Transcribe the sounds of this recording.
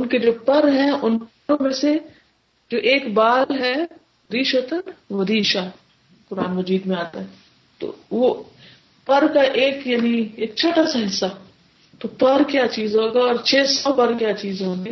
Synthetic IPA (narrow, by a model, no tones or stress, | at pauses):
ʊnked͡ʒoːpɐɾɦɛ̃ʔʊnp | ɾõmẽse | d͡ʒoːʔeːkbaːlɦɛ | əd̪iːʃoːt̪aʋɐd̪iːʃa | kʊɾaːnmɐd͡ʒiːd̪mẽaːt̪aɦɛ̃ | t̪o̰ːʋo | pɐɾkaʔeːkjaːnieːkt͡ʃʰoʈasaɦɪsːa | t̪opɐɾkjaːt͡ʃiːzɦoːɡaɔːɾt͡ʃʰeːsɔpɐɾkjaːt͡ʃiːzɦõːɡe